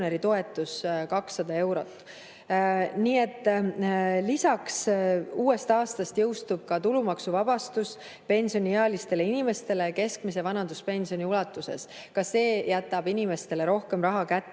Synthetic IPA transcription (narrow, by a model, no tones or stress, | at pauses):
neɾit̪o̞e̞t̪ːˑuskɑksːɑd̪̥ɑe̞wɾo̞̰t̪ːˑ | niːe̞t̪ːˑ | lisɑksuːe̞st̪ɑːst̪ɑst̪jɤwst̪ub̥̚kɑt̪ulumɑksuvɑb̥ɑst̪us | pe̞nʲsio̞nʲieeɑlist̪e̞le̞inime̞st̪e̞le̞ke̞skmis̬evɑnɑnd̪̥uspe̞nʲsio̞nʲiulɑt̪ːˑuse̞̰s | kɑsːe̞ːjæt̪ːˑɑb̥inʲime̞st̪e̞le̞ɾo̞hke̞mrɑɦɑkæt̪ːe